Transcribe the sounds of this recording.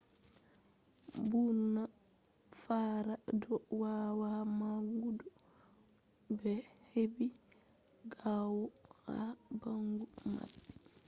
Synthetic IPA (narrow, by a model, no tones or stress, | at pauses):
buna | faɾadɔwawamaɡudɔ | bɛhebi | ɡawɔxa̰baŋɡuma̰bi̥